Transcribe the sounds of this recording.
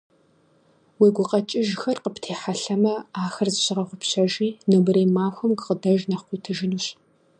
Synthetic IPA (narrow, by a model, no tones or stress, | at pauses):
weːɡʷʊqɐt͡ʃʼɪʒxɐrqəptʰeːħaɬɐmɐaːxɐrzɨɕɪʁɐχʷʊpɕɐʒiːnɨbɨreːmaːxʷɐmkqədɐʒnɐqʷiːtʰɨʒɪnuːɕ